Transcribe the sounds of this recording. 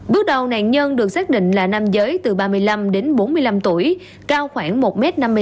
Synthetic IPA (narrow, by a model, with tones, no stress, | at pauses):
ɓɨ˦˥ək̚ɗə˨˩wna̰ː˧˨nɲə˧nɗɨ˨˩ək̚saː˦˥k̚ɗḭ̈˧˨ŋ̟laː˨˩na˧mzəː˨˦jt̪ɨ˨˩ɓaː˧mɨ˧əjla˧mɗe˨˦nɓo˨˦nmɨ˧əjla˧mt̪u˧˩əj | kaː˧wxwaː˧˩ŋmo˨˩t̚mɛ˦˥t̚na˧mː˧